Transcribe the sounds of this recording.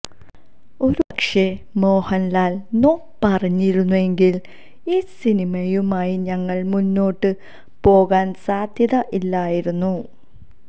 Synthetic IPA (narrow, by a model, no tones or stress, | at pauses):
o̞ɾuɐkʂe̞ | mo̞ːhɐnlaːlnoː | pɐrɐɲːiɾunːue̞ŋɡil | iːsinimɐjumaːjiɲɐŋːɐɭmunːo̞ːʈːɨ | po̞ːɣaːnsaːd̪ʱjɐðɐʔilːaːjiɾunːu